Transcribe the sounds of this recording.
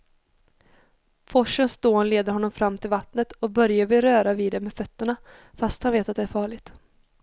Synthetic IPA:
fɔʂənsd̪oːnleːd̪əɾɦɔnːɔmfɾamːt̪ʰɪlvat̪nət̪ɔbœɾjavɪɾœːɾaviːd̪ɛmɛːfœt̪ːəɳa | fast̪hanveːt̪at̪̚d̪ɛæːɾfɑːɭɪɡt̪

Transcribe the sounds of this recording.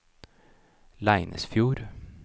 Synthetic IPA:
læɪnʔə̰sfjuːɾ

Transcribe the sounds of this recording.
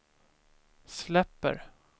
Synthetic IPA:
slɛpːə̰ɾ

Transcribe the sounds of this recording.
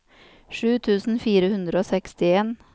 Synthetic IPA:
ʂʉːt̪ʰʉːsn̩fiːɾəhʉnd̪ɾəoːsɛkst̪ɪeːn

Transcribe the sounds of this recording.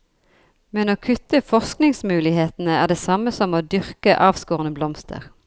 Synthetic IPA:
mɛnoːkʰʉt̪əfɔsknɪŋsmʉːlɪheːt̪n̩əæːʁd̪eːsɑməsɔmoːd̪ʏʁkəʔɑːʋskoːʁənəblɔmst̪ʰə̰ʁ

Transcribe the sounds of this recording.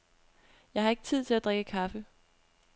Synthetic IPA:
jɑ̈ɪhɑ̈e̝ɡ̥ət͡sʰið̞̰ˠt͡sʰe̝læd̥ʁɛɡ̥əkʰɑ̈fə

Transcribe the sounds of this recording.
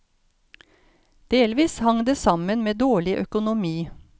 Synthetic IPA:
d̪̥eːlʋiːshɑŋd̪eːsɑmənmeːd̪oːɭɪʔœkʊnʊmiː

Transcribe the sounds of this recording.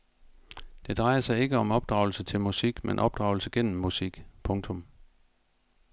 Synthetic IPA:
d̥e̝d̥ʁɑ̈ɪɐsɑ̈ɪe̝ɡ̥əɒ̽mɒ̽b̥̚d̥ʁɑ̈ʊl̩sət͡sʰe̝lmusiɡ̥menʔɒ̽b̥̚d̥ʁɑ̈ʊl̩səɡ̥en̰m̩ːusiɡ̥pʰɔ̽ŋt͡sʰɔ̽m

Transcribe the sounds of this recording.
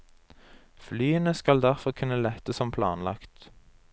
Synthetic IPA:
flyːənəskɑld̪æʁfɔʁkʰʉnəlɛt̪əsɔmpʰlɑ̰ːnlɑkt̪

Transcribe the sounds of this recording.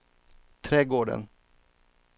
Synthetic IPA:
t̪ʰɾɛːɡoːɖə̰n

